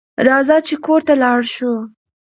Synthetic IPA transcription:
ɾɑzɑt͡ʃekoɾt̪alɑɽʃu

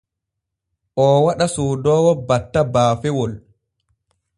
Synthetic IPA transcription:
ʔɔwaɗasoːdɔːwɔbatːabaːfɛwɔl

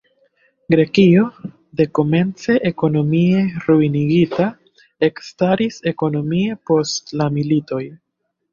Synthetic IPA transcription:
ɡɾe̞kio̞ | de̞ko̞me̞nt͡se̞ʔeko̞no̞mie̞ɾuiniɡita | e̞kstaɾise̞ko̞no̞mie̞po̞stlamilito̞j

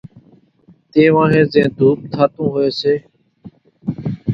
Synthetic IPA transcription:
t̪eːʋãːɦẽːzẽːd̪ʱuːp̚t̪ʰaːt̪ũːɦoeːseː

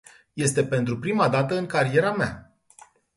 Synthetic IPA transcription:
je̞st̪e̞pe̞nt̪ɾupɾimad̪at̪əɨŋkaɾie̞ɾamea̰

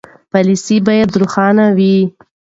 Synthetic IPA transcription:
pɑlisibɑjad̪ɾuxɑnawi

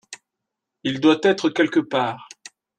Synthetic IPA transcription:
ild̪wat̪ɛt̪χəkʲɛlkəpaːʁ

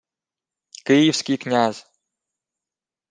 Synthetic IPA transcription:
kʲijifsʲkʲijknʲaz̥

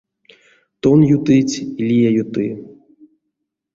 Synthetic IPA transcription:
t̪ɔnjut̪ɨt͡sʲilʲijajut̪ɨ

